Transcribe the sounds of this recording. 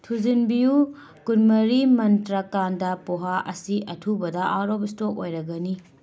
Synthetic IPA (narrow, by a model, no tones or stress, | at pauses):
tʰuzinbiju | kunmɐɾimɐntɾɐkandɐpoɦaʔɐsiʔɐtʰubɐdɐʔaɾobistokojɾɐɡɐni